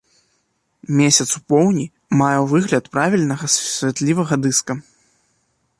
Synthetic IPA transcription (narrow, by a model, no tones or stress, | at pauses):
mʲesʲɐt̪supɔwnʲi | majɛwvɨɣlʲɐt̪pɾavʲilʲnɐɣɐsʲvʲat̪lʲivɐɣɐd̪ɨskɐ